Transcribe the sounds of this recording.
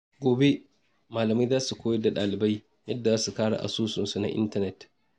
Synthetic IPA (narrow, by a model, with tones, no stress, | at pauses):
ɡʷoː˨be˦ | maː˨lɐ˨ma˦jzaː˦su˨kʷoː˦jɐ˦dːa˨ɗaː˨lɪ˨ba˦j | jɐ˦dːa˨aː˦su˨kaː˦ɽa̰˨ʔa̰˨suː˦sʊ˨nsu˨na̰˦ʔɪ̰˦ntɐ˦nɛ˨t